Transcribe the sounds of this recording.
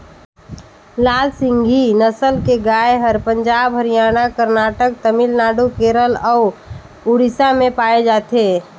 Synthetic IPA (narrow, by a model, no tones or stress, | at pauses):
laːlsɪ̃ŋɡʱinəsəlkeɡaːeɦəɾpəɲd͡ʒaːbɦəɾijaːnakəɾnaːʈək̚t̪əmɪlnaːɖukeːɾəlɔː | uɾɪsamẽpaːed͡ʒaːt̪eː